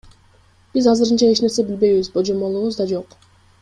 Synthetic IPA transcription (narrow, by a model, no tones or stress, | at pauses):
b̥izɑzɯɾɯnt͡ʃɑe̞t͡ʃne̞ɾse̞bilbe̞jβizbod͡ʒo̞mo̞lˠuβuzd̪ɑd͡ʒo̞q